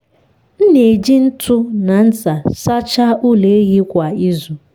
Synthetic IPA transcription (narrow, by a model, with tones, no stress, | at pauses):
n̩˦ne˨d͡ʒi˦n̩˦tʰʊ˦na˨n̩˦za˨sa˦t͡ʃa˦ʔu˦le˨˦ɣi˦kʷa˨i˦zu˨